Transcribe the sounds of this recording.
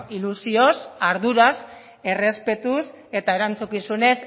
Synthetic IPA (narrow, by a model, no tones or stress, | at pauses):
ilusio̞saɾðuɾas | e̞re̞spe̞t̪us | e̞t̪aeɾant͡sukisune̞s